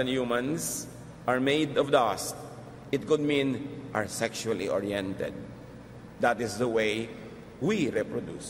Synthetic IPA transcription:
ɛ̃njumãns | ʔaɹmejd̪ɔvd̪ast̚ | ɪt̪̚kʊd̪̚mĩnʔa̰ɹsɛkʃualiʔɔɹiɛ̃nt̪ɛ̰d̪̚ | d̪at̪ɪsd̪ɐwej | wiɾɛpɹɔd̪ṵs

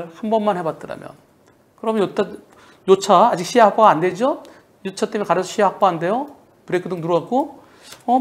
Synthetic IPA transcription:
ɭɸʰumbʌnmːanhe̞bat̚t͈ɯɾa̰mjʌ̰n | kɯɾʌmjʌnjot͈ʰa | jot͡ɕʰaːd͡ʑik̚ɕʰiɦakp͈oɡande̞d͡ʑo | jot͡ɕʰat͈emjnkaɾʌsʰʌɕʰiɦak̚p͈aande̞jo | pɯɾekʰɯdɯŋnuɾak͈̚o | ʌ

